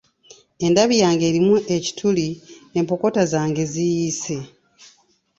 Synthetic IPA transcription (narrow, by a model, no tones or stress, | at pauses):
e̞ndaβijaːŋɡe̞ːɾimuʔe̞ci̥tʰulie̞mpo̞ko̞tazaːŋɡe̞zijiːse̞